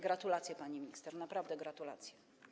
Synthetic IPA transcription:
ɡɾat̪ulat̪sʲjɛpaɲimʲɲist̪ɛɾnapɾavd̪ɛɡɾat̪ula̰t̪sʲjɛ

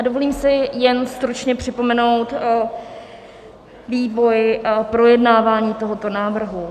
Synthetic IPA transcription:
ʔadovoliːmsɪjɛnst̪ɾut͡ʃɲɛpr̝̥ɪpo̞mɛno̞wt̪ | viːvo̞jpɾo̞jɛdnaːvaːɲiːt̪o̞ɦo̞t̪o̞naːvr̩ɦu

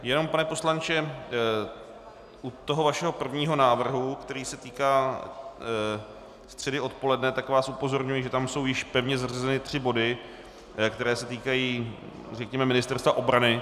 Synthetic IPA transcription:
jɛno̞mpanɛpo̞slant͡ʃɛ | ʔut̪o̞ɦo̞vaʃɛɦo̞pr̩vɲiːɦo̞naːvr̩ɦukt̪ɛɾiːsɛt̪iːkaː | st̪r̝̥ɛdɪo̞t̪po̞lɛdnɛt̪akvaːsʔupo̞zo̞ɾɲujɪʒɛt̪amso̞wjɪʃpɛvɲɛzarɛzɛnɪt̪r̝̥ɪbo̞dɪ | kt̪ɛɾɛːsɛt̪iːkajiː | rɛkɲɛmɛmɪnɪst̪ɛɾst̪vaʔo̞bɾanɪ

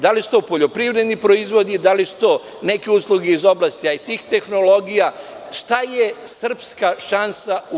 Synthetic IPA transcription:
d̪alisu̥t̪o̞po̞ʎo̞pɾiʋɾe̞d̪nipɾo̞izʋo̞d̪id̪alisu̥t̪o̞ː | ne̞kiuslˠuɡeizo̞blaːst̪iait̪iːxt̪e̞xno̞lo̞ɡija | ʃt̪ajesr̩pskaʃansau

